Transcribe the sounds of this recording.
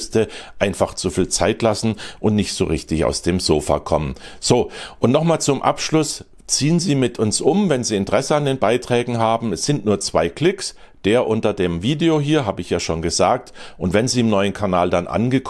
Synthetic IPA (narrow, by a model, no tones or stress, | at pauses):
stəʔaɪnfaχt͡sufiːlt͡saɪtlasn̩ʔʊntnɪçtz̥o̰ːʁɪçtɪça̰ʊsd̥eːmzoːfa̰ːkʰɔmənz̥oːʔʊntnɔχmaːlt͡sʊmʔa̰pʃlʊs | t͡siːənziːmɪtʰʊnsʔʊmvɛnziːɪntəʁ̥ɛsəandeːnbaɪtʁ̥ɛːɡŋ̩ɦaːbm̩ɛsz̥ɪntnuːɐt͡sv̥aɪkl̥ɪks | d̥eːɐʔʊntɐdeːmviːdeoɦiːɐɦaːbəɪçjaːʃoːnɡəzaːk̚tʔʊntv̥ɛnziːɪmnɔʏənkʰaɐnaːldanʔa̰nɡəkʰ